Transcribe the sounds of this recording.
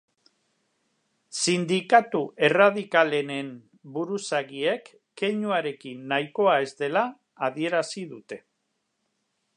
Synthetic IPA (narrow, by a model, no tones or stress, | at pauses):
sind̪ikat̪uʔe̞raðikale̞ne̞m | buɾusaɣiekː | e̞ɲuaɾe̞kinːajko̞ae̞zd̪e̞laː | ðie̞ɾasiðut̪e̞